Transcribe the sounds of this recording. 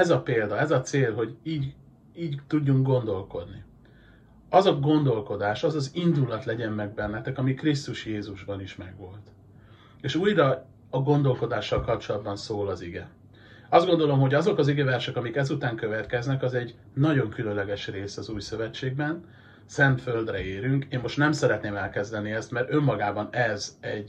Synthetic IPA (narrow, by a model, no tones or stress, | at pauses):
ɛzɒpeːld̪ɒɛzɒt̪seːlɦo̞ɟiːɟ | iːɟt̪uɟːuŋk̚ɡo̞nd̪o̞lko̞d̪ni | ɒzɒɡo̞nd̪o̞lko̞d̪aːʃɒzɒzind̪ulɒt̪lɛɟɛmːɛɡ̚bɛnːɛt̪ɛkɒmikrist̪uʃjeːzuʒbɒniʃmɛɡʋo̞lt̪ | eːʃuːjrɒ | ɒɡo̞nd̪o̞lko̞d̪aːʃːɒlkɒp̚t͡ʃo̞lɒd̪̚bɒnsoːlɒziɡɛ | ɒzd̪ɡo̞nd̪o̞lo̞mɦo̞ɟɒzo̞kɒziɡɛvɛrʃɛkɒmikɛzut̪aːŋkø̞vɛt̪kɛznɛkɒzɛɟ | nɒɟo̞ŋkylønlɛɡɛʃreːsɒzuːjsø̞vɛt͡ʃːeːɡ̚bɛn | sɛnt̪fø̞ld̪rɛeːɾyŋkeːmːo̞ʃt̪nɛmsɛɾɛt̪neːmɛlkɛzd̪ɛniɛst̪mɛrt̪ø̞mːɒɡaːbɒnɛzɛɟ